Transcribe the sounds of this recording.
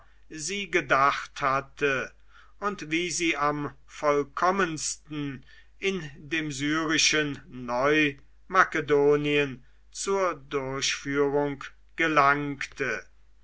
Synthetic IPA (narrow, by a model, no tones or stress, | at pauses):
ziːɡədaχthatʰə | ʊntviːziːam | fɔlkʰɔmənstn̩ | ʔɪndeːmzyːʁɪʃənːɔʏ | makədoːniən | t͡suːɐdʊɐɕfyːʁʊŋk | ɡ̥əlaŋktʰə